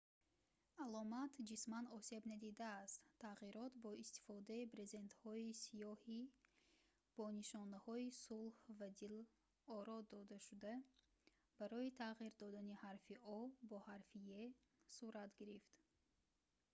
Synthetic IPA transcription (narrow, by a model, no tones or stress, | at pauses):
alɔmat̪ʰd͡ʒismanɔse̞bnad̪id̪aːst̪ʰːaʁiɾɔt̪bɔist̪i̥fɔd̪aipɾe̞ze̞nt̪hɔisijɔhi | b̥ɔniʃɔnahɔisulˠhvad̪il | ɔɾɔd̪ɔd̪aʃud̪a | b̥aɾɔit̪ʰaʁiɾd̪ɔd̪anihaɾfiʔɔbɔhaɾfije | suɾat̪ɡiɾift̪